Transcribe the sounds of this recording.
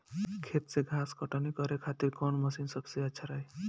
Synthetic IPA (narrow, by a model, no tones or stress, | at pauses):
kʰet̪seɡʱaskɔʈanikɔɾekʰat̪iɾkɔnmʌsinsʌbseat͡ʃʰaɾaj